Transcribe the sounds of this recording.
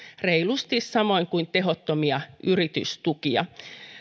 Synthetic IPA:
reilust̪issɑmoiŋkuint̪eɦot̪ːomiɑʔyrit̪y̰st̪ukiɑ̰

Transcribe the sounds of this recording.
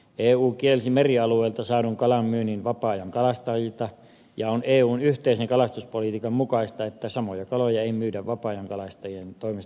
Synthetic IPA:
eːuːkielsimeriɑlueˑːlt̪ɑsɑːnuŋkɑlɑmmyːninʋɑpɑːjɑŋkɑlɑst̪ɑilt̪ɑ | jɑoneːuːnyht̪eiseŋkɑlɑst̪uspolit̪ikɑmmukɑist̪ɑet̪ːæsɑmojɑkɑlojɑeimyːdæʋʋɑpɑːjɑŋkɑlɑst̪ɑjient̪oimes

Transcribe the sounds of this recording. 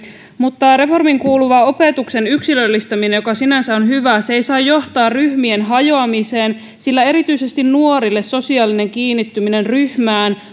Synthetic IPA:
mut̪ːɑre̞fo̞rmiŋkuːluʋɑo̞pet̪ukse̞nyksilølːist̪ɑmine̞jo̞kɑsinænsæo̞nɦyʋæseejsɑːjːo̞ht̪ɑːrryhmie̞nɦɑjo̞ɑmise̞ːn | silːæe̞ɾit̪yise̞st̪innuo̞ɾilːe̞sːo̞siɑːline̞ŋkiːnːit̪ːymine̞nryhmæːn

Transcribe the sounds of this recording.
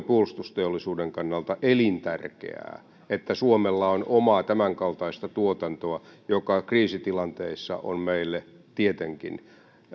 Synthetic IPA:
puolust̪ust̪eolːisuːdeŋkɑnːɑlt̪ɑʔelint̪ærkḛæ̰ː | et̪ːæsuomelːɑonomɑt̪æmæŋkɑlt̪ɑist̪ɑt̪uot̪ɑnt̪oɑjokɑkriːsit̪ilɑnt̪eisːɑ̰ʔo̰nmeilːe | t̪iet̪eŋkḭn

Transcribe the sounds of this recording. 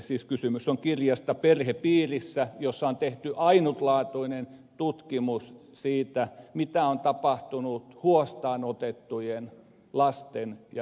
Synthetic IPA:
siːskysymysːoŋkirjɑst̪ɑperhepiːrisːæjosːɑont̪eht̪yʔɑinut̪lɑːt̪uinent̪ut̪kimus | siːt̪æmit̪æont̪ɑpɑht̪unut̪huost̪ɑːnot̪et̪ːujen | lɑst̪enjɑ

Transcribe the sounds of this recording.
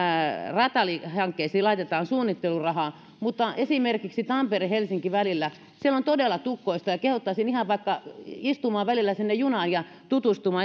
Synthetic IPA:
rɑt̪ɑlihɑŋkːeisiːlɑit̪et̪ɑːnsuːnːit̪ːelurɑhɑː | mut̪ːɑʔesimerkiksit̪ɑmperihelsiŋkiʋælilːæ | sielont̪odelːˑɑt̪ukːˑoist̪ɑjɑkehut̪ːɑːsinihɑʋʋɑikːɑist̪umɑːʋʋælilːæsinːejjunɑːnjɑ | t̪ut̪ust̪umɑː

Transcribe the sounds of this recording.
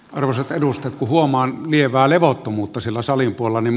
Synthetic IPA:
ɑrʋoset̪edust̪et̪kuhuomɑːnlieʋˑæːleʋot̪ːomuːt̪ːɑsilːæsɑlimpuolelːɑnim

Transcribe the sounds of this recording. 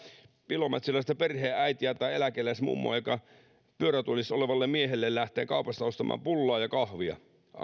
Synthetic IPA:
pilomet̪silːˑɑsit̪æperheːʔæit̪iæt̪ɑielækelæsmṵmːo̰ɑjokɑ | pyøɾæt̪ulisoleʋɑlːemmiehelːellæht̪ˑeːŋkɑupɑst̪ɑost̪ɑmɑ̰ːmpulːɑːjɑkɑhʋiɑ̰

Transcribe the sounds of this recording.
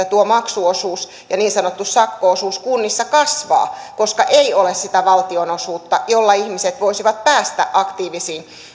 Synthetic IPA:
æt̪uomɑksuosuːs | jɑniːnsɑnot̪ːussɑkːoosuːskunːisːɑkɑsʋɑ̰ːkoskɑʔeiolessit̪æʋɑlt̪ionosuːt̪ːɑjolːɑihmiset̪ʋoisiʋɑt̪̚pæːst̪æ̰ʔʔɑkt̪iːʋisiːn

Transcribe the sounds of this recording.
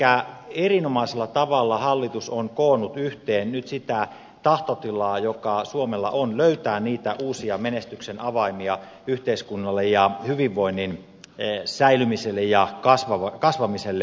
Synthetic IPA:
æerinomɑiselːɑt̪ɑʋɑlːɑhɑlːit̪usonkoːnut̪yht̪eːnnyt̪sit̪æ | t̪ɑht̪ot̪ilɑːjokɑsuomelːɑ̰ʔonløyt̪æːniːt̪æʔuːsiɑmenest̪yksenɑʋɑimiɑ | yht̪eiskunːɑlːejjɑhyʋiʋːoinːin | sæilymiselːejjɑkɑsʋɑʋɑkɑsʋɑmiselːe

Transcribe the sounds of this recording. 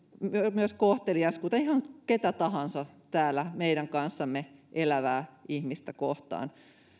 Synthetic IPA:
myømyøskoht̪eliɑskuːt̪ɑihɑŋket̪æt̪ɑhɑnsɑt̪æːlːˑæmeiɾæŋkɑnsːɑmːeʔelæʋæːihmist̪ækoht̪ɑ̰ːn

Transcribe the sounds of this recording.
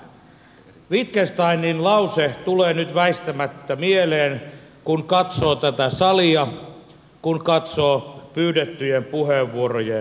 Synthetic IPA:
ʋit̪kest̪ɑininlɑuset̪uleːnyt̪ʋæist̪æmæt̪ːæmieleːn | kunkɑt̪soːt̪æt̪æsɑliɑ | kunkɑt̪soːpyːdet̪ːyjempuheːʋʋuoroje

